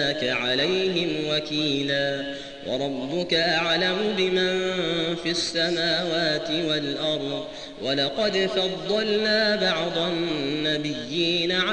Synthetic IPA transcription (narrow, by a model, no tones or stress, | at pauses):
kaʕalajɦɪmwakiːlaː | wɑ̰ɾˤɑbːʊkaʔaʕlamʊbɪmanfiʔasːamaːwaːt̪ɪwalʔɑɾˤd̪ | wʔalɑqɑd̪fɑd̪ˤːɑlnaːbɑʕd̪ˤɑːabɪjːiːnaʕa